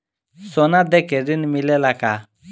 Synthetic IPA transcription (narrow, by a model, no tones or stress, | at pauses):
sɔnad̪ɛkɛɾinmilɛlaka